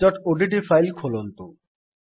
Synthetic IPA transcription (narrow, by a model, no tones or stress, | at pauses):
ɔʈoɖiʈ̬ifajlkʰolont̪u